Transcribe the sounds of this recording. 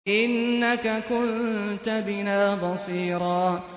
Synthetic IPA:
ʔɪnːakakʊnt̪abɪnaːbɑsiːɾɑː

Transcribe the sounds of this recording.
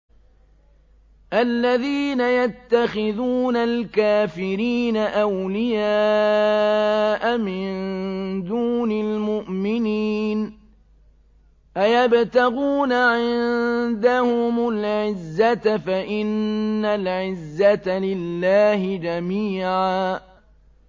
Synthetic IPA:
ʔalːaðiːnajat̪ːaxɪðuːnalkaːfɪɾiːnaʔawlɪjaː | ʔamɪnd̪uːnalmʊʔmɪniːn | ʔajabt̪aɣuːnaʕɪnd̪ahʊmalʕɪzːat̪afaʔɪnːalʕɪzːat̪alɪlːaːhɪd͡ʒamiːʕaː

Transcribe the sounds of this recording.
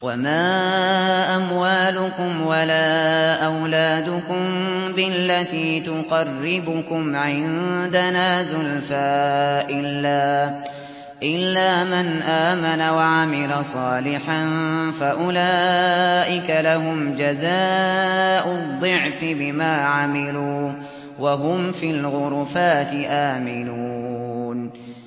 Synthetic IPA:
wamaː | ʔamwaːlʊkʊmwalaːʔawlaːd̪ʊkʊmbɪlːat̪iːt̪ʊqɑrːɪbʊkʊmʕɪnd̪anaːzʊlfaʔɪlːaː | ʔɪlːaːmanʔaːmanawaʕamɪlasˤɑːlɪħanfaʔʊlaːʔɪkalaɦʊmd͡ʒazaː | ʔʊd̪ˤːɨʕfɪbɪmaːʕamɪluː | waɦʊmfilɣʊɾˤfaːt̪ɪʔaːmɪnuːn

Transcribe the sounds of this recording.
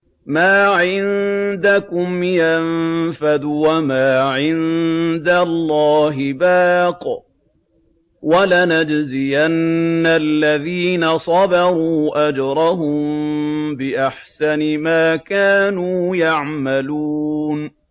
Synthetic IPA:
maːʕɪnd̪akʊmjanfad̪ʊwamaːʕɪnd̪alːɑːɦɪbaːq | walanad͡ʒzɪjanːalːaðiːnasˤɑbɑɾˤuːʔad͡ʒɾˤɑɦʊmmbɪʔaħsanɪmaːkaːnuːjaʕmaluːn

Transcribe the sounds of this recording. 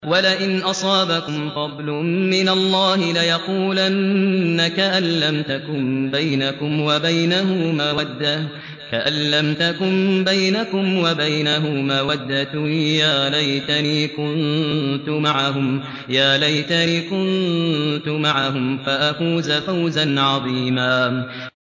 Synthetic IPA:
walɪʔɪnʔɑsˤɑːbakʊmfɑd̪ˤlʊmɪnalˤːɑːhɪlɪjɑquːlanːakaʔalːamt̪akʊmbajnakʊmwabajnaɦʊmaːwad̪ːa | kaʔanːamt̪akʊmbajnakʊmwabajnaɦʊmaːwad̪ːat̪ʊjaːlajt̪aniːkʊnt̪ʊmaʕahʊm | jaːlajt̪aniːkʊnt̪ʊmaʕahʊmfaʔafuːzafawzanʕɑðˤiːmaː

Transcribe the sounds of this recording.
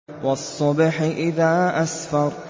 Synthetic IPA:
wɑsˤːɑbħʔɪðaːʔasfɑɾˤ

